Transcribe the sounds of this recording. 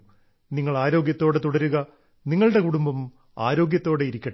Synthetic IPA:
niŋːɐɭaːɾo̞ːɡjɐt̪ːo̞ːɽet̪uɽɐɾuɣɐ | niŋːɐɭɨɽe̞kuɽumbɐm | a̰ːɾo̞ːɡjɐt̪ːoːɽeiɾikʲːɐ

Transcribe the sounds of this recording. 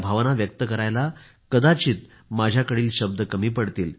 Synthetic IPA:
bʱaʋnaʋjək̚t̪əkəɾajla | kəd̪at͡ɕiːt̪̚ | mad͡ʑʱjakəɽiːlɕəb̚d̪əkəmiːpəɽt̪iːl

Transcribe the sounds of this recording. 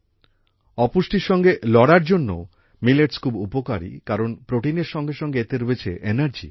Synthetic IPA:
ɔpusʈiɾʃɔŋɡelɔɽaɾd͡ʑonːo̰ | mileʈskʰubupoka̰ɾḭkaɾonpɾoʈineɾʃɔŋɡeʃɔŋɡeet̪eɾoet͡ɕʰḛʔenaɾd͡ʑḭ

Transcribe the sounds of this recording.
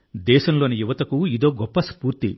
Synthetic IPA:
d̪ɛːʃɐmlo̞ːnijuʋɐt̪ɐkuid̪o̞ːɡɔpːɐspuːɾt̪i

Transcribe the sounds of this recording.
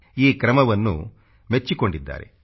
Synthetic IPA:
iːkɾɐmɐʋɐnːṵ | met͡ʃːiko̞ɳɖid̪ːa̰ːɾḛ

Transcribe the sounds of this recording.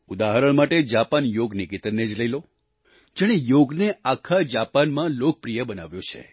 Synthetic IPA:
ud̪aɦəɾəɭmaʈed͡ʒapanjoɡnikit̪ənːed͡ʒləilo | d͡ʒeɽ̃ejoɡneakʰad͡ʒapanmãlok̚pɾijəbəna̰ʋjõt͡ʃʰḛ

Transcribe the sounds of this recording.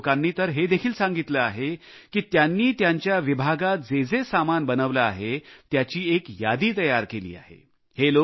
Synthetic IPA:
kanːiːt̪əɾɦed̪ekʰiːlsãŋɡit̪ləaɦe | kiːt̪janːiːt̪jaɲt͡ɕjaʋibʱaɡat̪̚d͡zed͡zesamanbənəʋlaːɦet̪jat͡ɕiːekjad̪iːt̪əjaɾkelḭːa̰ɦḛ | helo

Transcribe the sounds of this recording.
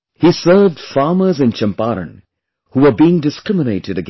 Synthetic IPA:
hisɜ˞vd̥fɑːmə˞zɨ̃nt͡ʃə̃mpaɾə̰̃n | huʋə˞biɪ̃ŋdɨskɹɪmɪneɪʈɨɾɨɡ

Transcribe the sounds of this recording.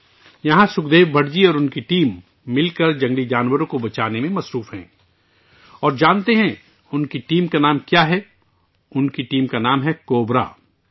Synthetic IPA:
jɐɦãsʊkd̪eːʋbʱɐɽd͡ʒiɔːɾʊnkiʈiːmː | ɪlkɐɾd͡ʒɐ̃ŋɡlid͡ʒaːnwəɾõkobɐt͡ʃaːnemẽmɐsɾuːfɦɛ̰̃ː | ɔːɾd͡ʒaːnt̪eɦɛ̃ | ʊnkiʈiːmkanaːmkjaːɦɛ | ʊnkiʈiːmkanaːmɦɛkoːbɾa̰ː

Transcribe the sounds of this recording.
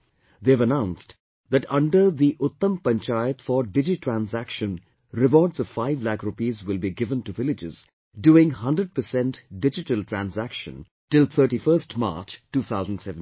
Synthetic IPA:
d̪evənãʊ̃nsʈ | d̪æʈʌ̃ɳɖəɾd̪iʔʊt̪ːə̃mpə̃nt͡ʃaɪət̪fɔɖɪd͡ʒiʈʰɹæ̃nzækʃə̃n | ɾɪbɔːɖsɔv̥faɪvlækɾupiːzwɪlbiɡɪvə̃nʈuvɪlɪd͡ʒɪz | ɖuːɪ̃ŋɦʌ̃ndɾəɖ̚pəsɛ̃nʈɖɪd͡ʒɪʈəlʈʰɾæ̃nzækʃə̰̃n | ʈɪlˠt̪ʰəːʈifəɾsʈma̰ːɾt͡ʃʈːuːt̪ʰaʊzə̃n̩ɖsɛṽn

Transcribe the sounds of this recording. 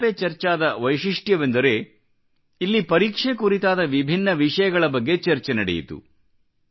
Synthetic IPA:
pet͡ʃɐɾt͡ʃaːd̪ɐʋɐjʃiʂʈjɐʋe̞nd̪ɐɾe̞ | ilːipɐɾiːkʂekuɾit̪aːd̪ɐʋibʱinːɐʋiʂɐjɐɡɐɭɐbɐɡːe̞t͡ʃɐɾt͡ʃenɐɽḛjḭt̪ṵ

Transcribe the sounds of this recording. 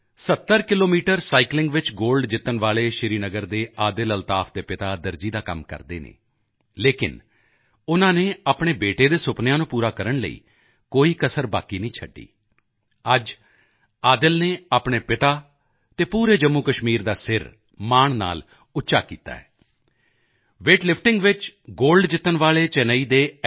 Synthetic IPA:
sət̪ːəɾkɪloːmiːʈəɾsaːiklɪ̃ŋɡʋɪt͡ʃɡoːlɖd͡ʒɪt̪ːənʋaːleːʃɪɾiːnəɡəɾd̪eːaːd̪ɪləlt̪aːfʰd̪eːpɪt̪aːd̪əɾd͡ʒiːd̪aːkə̰mkə̰ɾd̪eːnḛː | leːkɪ̰n | ʊnãːneːaːpɳ̃eːbeːʈeːd̪eːsʊpnjãːnũːpuːɾaːkəɾəɳlə̰ḭː | koːiːkəsəɾba̰ːkiːnəĩːt͡ʃʰə̰ɖːḭː | əd͡ʒ | aːd̪ɪlneːaːpɳ̃eːpɪt̪aː | t̪eːpuːɾeːd͡ʒəmːuːkəʃmiːɾd̪aːsɪɾ | maːɳna̰ːl | ʊtːʃa̰ːkḭːt̪a̰ːɛː | ʋeːʈlɪpʰʈɪŋɡʋɪt͡ʃɡoːlɖd͡ʒɪt̪ːənʋaːɭeːt͡ʃɛnəiːd̪eː

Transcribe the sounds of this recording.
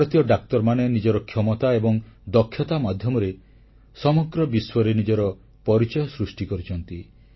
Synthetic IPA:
ɾɔt̪jɔɖak̚t̪ɔɾmanenid͡ʒɔɾɔkʰjɔmɔt̪aebɔŋd̪ɔkʰːjɔt̪amad̪ʱjɔmɔɾe | sɔmɔɡɾɔbiswɔɾenid͡ʒɔɾɔ | pɔɾit͡ʃɔjɔsɾusʈikɔɾit͡ʃʰɔnt̪i

